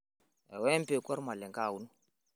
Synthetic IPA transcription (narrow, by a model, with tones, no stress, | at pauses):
ɛ̰˨wɛ˦m˦pe˨kɔ˦ɾma˨lɛ˨ŋkaː˦˨wu˦nu˦